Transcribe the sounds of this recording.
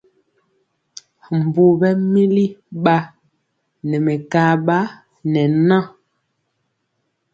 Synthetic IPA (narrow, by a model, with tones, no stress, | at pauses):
m̩˨bu˨bɛ˦mi˦li˦ɓa˦ | nɛ˨mɛ˨ka˦ɓa˦ | nɛ˨nã˦˨